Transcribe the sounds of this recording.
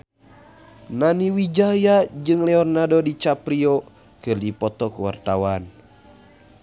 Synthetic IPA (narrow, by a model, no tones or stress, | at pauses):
naniwid͡ʒajad͡ʒɨŋlɛɔrnadɔdit͡ʃapɾiɔ | kɨrdipɔt̪ɔkuwa̰rt̪awan